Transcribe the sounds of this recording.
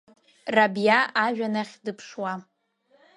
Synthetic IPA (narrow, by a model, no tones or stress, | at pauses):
rabjaaʒᶣanaχʲdɨpʰʂwa